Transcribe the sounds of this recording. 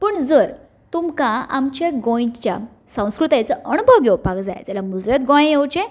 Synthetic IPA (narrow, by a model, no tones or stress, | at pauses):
pəɳd͡zəɾ | t̪umkãamt͡ɕaɡõj̃t͡ɕja̰ | sə̃w̃skɾut̪ajt͡səʔəñubʱəwɡewpakd͡za̰jd͡zalamud͡zɾjat̪ɡõjẽjewt͡ɕẽ